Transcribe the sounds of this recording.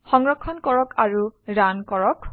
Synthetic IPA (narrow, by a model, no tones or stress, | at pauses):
xɔŋɹɔkʰːɔnkɔɹɔkʰaɹuɹankɔɹɔk